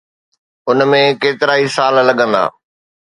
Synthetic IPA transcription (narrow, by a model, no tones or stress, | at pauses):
ʊnmẽkeːt̪ɪɾaːisaːllɐɠə̃nd̪a̰ː